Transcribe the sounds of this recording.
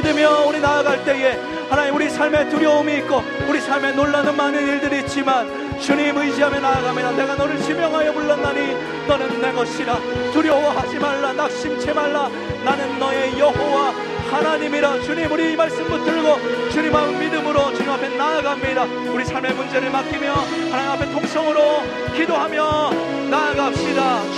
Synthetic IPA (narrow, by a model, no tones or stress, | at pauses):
idɯmjʌuɾinaːɡaɭt͈e̞e̞ | hanaɲimuɾisʰaɭme̞tuɾjʌomiːt̚k͈o | uɾisʰaɭme̞noɭːanɯnmanɯniɭdɯɾiːt͡ɕ͈iman | t͡ɕuɲimɯiɕiɦamenaɡamiɾane̞ɡanʌɾɯɭɕʰimjʌŋɦajʌmuɭːanːaɲi | nʌnɯnːe̞ɡʌɕʰiɾa | tuɾjoowahad͡ʑimaɭːanak̚ɕ͈imt͡ɕʰemaɭːa | nanɯnːʌe̞jʌɦowa | hanaɲimiɾat͡ɕuɲimuɾiimaɭs͈ɯmɡot͈ɯɭɡot͡ɕuɲimamidɯmɯɾot͡ɕuɲimapʰe̞naɡamɲida | uɾisʰaɭme̞mund͡ʑe̞ɾɯɭmakʰimjʌ | hanaɲimapʰe̞tʰoŋsʰʌŋɯɾo | kidoɦamjʌ | naɡap̚ɕ͈ida